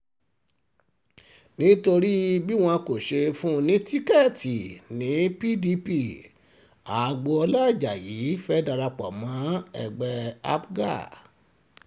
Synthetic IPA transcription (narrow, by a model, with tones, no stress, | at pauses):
nĩ˦to˧ɾi˦bi˦w̃ɔ̃˧ko˨ʃe˧fũ˦nĩ˨˦ti˦kɛ˦˨ti˨nĩ˨˦pi˦di˧˦pi˦˨ | a˨˦˧ɡ͡bɔ˧ɔ˧la˦˨d͡ʒa˨ji˨˦fɛ˦da˧ɾa˧k͡pa̰˨mã˨˦˨ɛ̰˨ɡ͡bɛ˧a̰˦bɡa̰˦˨